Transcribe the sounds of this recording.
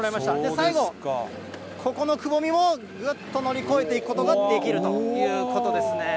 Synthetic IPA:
ɾaimaɕi̥t̪ad̪e̞saiɡok | kʰo̞ko̞no̞kɯ̟bo̞mʲimo̞ | ɡɯt̪ːo̞no̞ɾʲiko̞e̞t̪e̞ikɯ̥kot̪oɡad̪e̞kʲiɾɯ̟t̪ojɯ̟ːko̞t̪o̞d̪e̞sɨne̞

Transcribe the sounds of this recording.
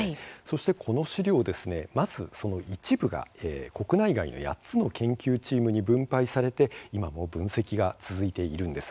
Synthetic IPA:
aso̞ɕi̥t̪e̞kʰo̞no̞ɕiɾʲo̞ːd̪e̞sɨne̞maz̥ɨso̞no̞it͡ɕibɯ̟ɡa̰eːko̞kɯ̟naiɡa̰ḭno̞̰ja̰t͡sɨno̞kẽ̞ŋkʲɨːt͡ɕiːmɯ̟ɲ̟ibɯ̟̃mpaisaɾe̞t̪e̞imamo̞bɯ̟̃ɰ̃se̞kʲiɡat͡sɨzɨit̪e̞iɾɯ̟̃nd̪e̞sɨ̥

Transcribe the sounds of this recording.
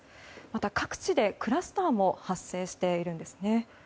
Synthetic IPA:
mat̪akakɯ̟̥t͡ɕid̪e̞kɯ̟ɾasɨ̥t̪aːmo̞hasːe̞ːɕi̥t̪e̞iɾɯ̟̃nd̪e̞sɨ̥ne̞

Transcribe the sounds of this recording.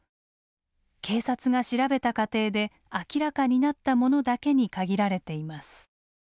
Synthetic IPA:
kʰe̞ːsat͡sɨɡaɕiɾabe̞t̪akat̪e̞ːd̪e̞ | akʲiɾakaɲ̟inat̪ːamo̞no̞d̪ake̞ɲ̟ikaɡʲiɾaɾe̞t̪e̞imasɨ̥

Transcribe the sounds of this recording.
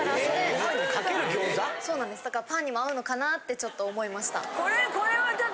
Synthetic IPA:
asoneikakeɾɯ̟ɡʲoːzaso̞ːnãnd̪e̞sɨd̪akaɾapãɲ̟ːimaaɯ̟no̞kanat̪ːe̞t͡ɕo̞t̪ːo̞ːmo̞imaɕi̥t̪a̰koɾekoɾeβa

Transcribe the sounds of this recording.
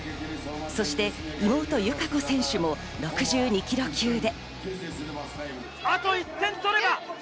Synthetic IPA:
so̞ɕi̥t̪e̞imo̞ːt̪o̞jɯ̟kaɡo̞sẽ̞ɰ̃ɕɨmo̞ | ɾo̞kɯ̟ʑɨːɲ̟ikʲiɾo̞kʲɨːd̪e̞ | at̪o̞it̪ːẽ̞nsoɾeba

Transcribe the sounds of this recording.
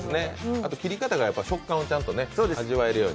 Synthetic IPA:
ne̞at̪okʲiɾʲikat̪aɡajapːaiɕo̞kːãɰ̃ot͡ɕãnt̪o̞ne̞so̞ːd̪e̞ʑiβae̞ɾɯ̟jo̞ːɲ

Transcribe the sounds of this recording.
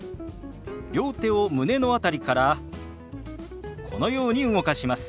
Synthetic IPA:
ɾʲjo̞ːt̪e̞omɯ̟ne̞no̞at̪aɾʲikaɾa | kʰo̞̰no̞jo̞ːɲ̟iɯŋo̞kaɕimasɨ̥

